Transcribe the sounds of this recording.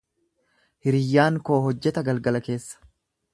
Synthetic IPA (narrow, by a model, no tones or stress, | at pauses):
hɪɾɪjːaːŋko̞ːɦɔd͡ʒːɛt̪ɐɡɐlɡɐlɐke̞ːsːɐ̥